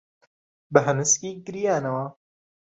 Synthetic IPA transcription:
bɐɦɐnɨskiːɡɨɾijaːnɐwa

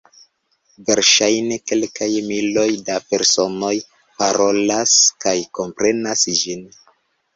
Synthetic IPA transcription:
ve̞ɾʃajne̞ke̞lkajmilo̞jdape̞ɾso̞no̞j | paɾo̞laskajko̞mpɾe̞nasd͡ʒin

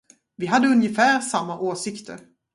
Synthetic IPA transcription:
vɪɦad̪ːəɵnjəfæːɾsamːaʔoːsɪkt̪ʰə̰ɾ

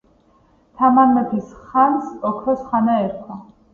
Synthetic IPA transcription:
t̪ʰamaɾmɛp̪ʰisχanskʼɔkʰɾɔsχanaɛɾkʰwa

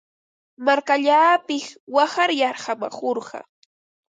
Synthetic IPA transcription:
maɾkaʎaːpɪχwahaɾjɑɾhama̰χoɾɢɑ̰

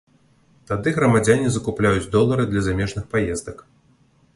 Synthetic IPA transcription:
t̪ad̪ɨɣɾɐmad͡zʲanʲizɐkuplʲajud͡zʲd̪ɔlˠɐɾɨd̪lʲɐzamʲɛʐnɨxpajɛzd̪ɐk

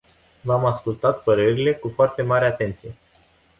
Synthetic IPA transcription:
vamaskult̪at̪̚pəɾe̞ɾile̞kufoart̪e̞maɾeat̪e̞nt̪sije̞

